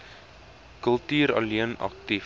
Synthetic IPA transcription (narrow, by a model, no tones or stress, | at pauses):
kəlˠtyːɾɐ̰liənɐ̰k̚ti